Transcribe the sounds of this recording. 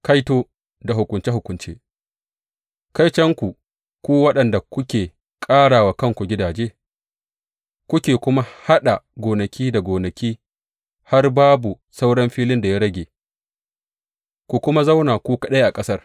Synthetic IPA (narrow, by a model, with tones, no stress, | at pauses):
ka˦jtoː˦ | da˨ɦʊ˨kʷʊ˨nt͡ʃe˦hʊ˨kʷʊ˨nt͡ʃḛː˦ | ka˦jt͡ʃɐ˦ŋkʷu˨ | kʷuː˦wɐ˦ɗɐ˨nda˨kʷʊ˦kʲeː˨ | kʼaː˦ɽaː˨wa˦kɐ˦˨ŋkʷu˨ɡʲɪ˦daː˨d͡ʒeː˦ | kʷʊ˦kʲeː˨kʷʊ˦ma˦ha˦ɗa˨ɡʷoː˨nɐ˨kʲiː˦da˨ɡʷoː˨nɐ˨kʲiː˦ | ha˦rbaː˦bu˨ | sa˦wɽɔ˦mɸiː˦lɪ˦nda˨ja˦ɽɐ˦ɡʲeː˨ | kʷu˨kʷʊ˦ma˦za˦wnaː˨kʷuː˦kɐ˦˨ɗa˦ʔa˨kʼɐ˦sɐ˦r